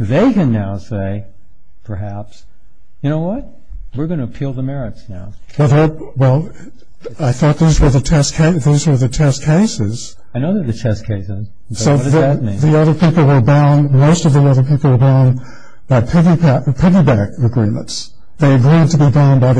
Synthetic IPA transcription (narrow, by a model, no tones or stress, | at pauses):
ðeɪkɨ̃nːaʊseɪ | pʰə˞ɦæps | jɨñoʊwʌt̚ | wɨɹɡʌ̃ñɨpʰilˠðəmɛɹɨtsnaʊ | wɛlˠðə | wɛlˠ | aɪθɔt̪̚ðizwə˞ðɨtʰɛskʰeɪðizwə˞ðɨt͡ʃʰɛskʰeɪsɪz̥ | aɪnoʊðə˞ðɨt͡ʃʰɛskʰeɪsɪz | soʊʌdðt̚mĩnðiʌðə˞pʰipl̩ˠwə˞bãʊ̃nmoʊstʌvðiʌðə˞pʰipl̩ˠwə˞bãʊ̃n | b̥aɪpʰɪvibæpʰɪvibækɨɡɹĩmə̰̃nts | ðeɪɨɡɹid̚tʰɨbibãʊ̃nbaɪð